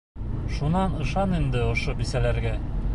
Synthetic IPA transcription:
ʃunɑnɤ̆ʃɑnind̪ɘŏʃobisælæɾɡæ

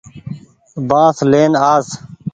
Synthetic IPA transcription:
bãːsleːnaːs

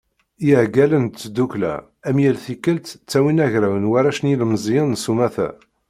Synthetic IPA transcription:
iʕɡælənt̪ːd̪uklæ̰ | æmjælθikːəlt̪t͡sːæwinæʝɾæwənwaɾæʃniləmzˤjənsumæθæ̰

